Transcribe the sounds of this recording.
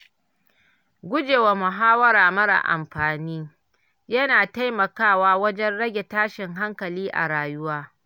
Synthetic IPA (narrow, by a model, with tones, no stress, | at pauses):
ɡʷʊ˦d͡ʒeː˨wa˨mʊ˨ɦaː˦wɐ˦ɾaː˨mɐ˦ɽa̰˨ʔa̰˨mɸaː˨niː˦ | jɐ˦naː˨ta˦jmɐ˨kaː˦˨waː˦wɐ˦d͡ʒɛ˦nɽɐ˦ɡʲe˨taː˦ʃɪ˨ŋɦa˦ŋkɐ˨liː˦ʔa̰˨ɽaː˨jʊ˦waː˦